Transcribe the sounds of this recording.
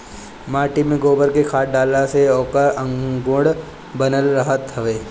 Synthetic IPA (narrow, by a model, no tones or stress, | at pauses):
maːʈimẽɡoːbəɾkekʰaːʈ̚ɖaːlaseɔːkəɾə̃ŋɡʊɽ | bənəlɾəɦət̪ɦəʋeː